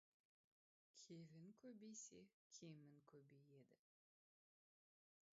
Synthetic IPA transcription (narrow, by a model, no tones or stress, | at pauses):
kʲʰevɪŋkʲʰɵbejsekʲʰemɪŋkʲʰɵbejed̪ɪ